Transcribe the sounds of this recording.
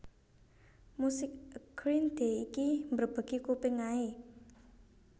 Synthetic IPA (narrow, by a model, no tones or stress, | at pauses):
musɪk̚ɡ̥ɾind̪̥eikimbərb̥a̤ɡ̥ikupɪŋae